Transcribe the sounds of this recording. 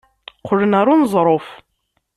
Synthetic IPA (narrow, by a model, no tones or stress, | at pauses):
qʰːʊlənaɾˤunzˤɾˤof